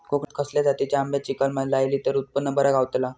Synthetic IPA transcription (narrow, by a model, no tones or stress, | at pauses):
kokt̪kʰəsljat̪at̪it͡ɕaambjat͡ɕikəlmalajliːt̪əɾut̪̚pənːəbəɾaɡaʋt̪la